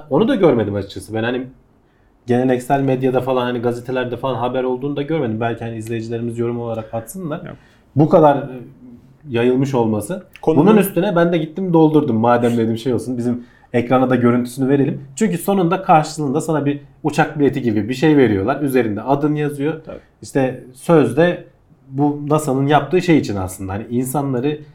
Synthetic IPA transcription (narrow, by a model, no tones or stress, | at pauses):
o̞nud̪aɟøɾme̞d̪imat͡ʃt͡ʃʰasɯbɛnhani | ɟe̞ne̞lʲɛcsælʲmed̪jad̪afalˠanhaniɡazet̪ʰe̞lʲæɾd̪ɛfalˠanɦabæɾolˠd̪uːnud̪aɟøɾme̞d̪imbælʲcʰihaniizlʲe̞jid͡ʒilʲe̞ɾimizjo̞ɾumo̞lˠaɾakat̪sɯnlˠaɾ̥ | bukʰad̪aɾ | jajɯlˠmɯʃ̬o̞lˠmasɯbununyst̪ʰynɛbænd̪ɛɟit̪ʰːimd̪o̞lˠd̪uɾd̪umːaːd̪æmlʲe̞d̪imʃe̞jo̞lˠsunbizim | ɛcɾanad̪aɟø̞ɾynt̪ʰy̥synyve̞ɾe̞lʲimt͡ʃʰyɲcyso̞nund̪akʰaɾʃɯlˠɯːnd̪asanabiut͡ʃʰak̚bilʲet̪ʰiɟibibiʃe̞jve̞ɾijo̞lˠaɾyze̞ɾind̪ɛad̪ɯnjazɯjo̞ | iʃt̪ʰɛsøzd̪ɛ | bunasanɯnjap̚t̪ʰɯːʃe̞jit͡ʃʰina̰slˠɯnd̪ahaniinsanlˠaɾɯ